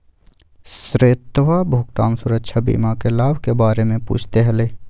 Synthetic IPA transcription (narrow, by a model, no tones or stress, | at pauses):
sɾeːt̪ʋabʱuːɡt̪aːmsʊɾəkʃʰabḭːmakelaːbʱkebaːɾemẽpṵːt͡ʃʰt̪eɦɛleː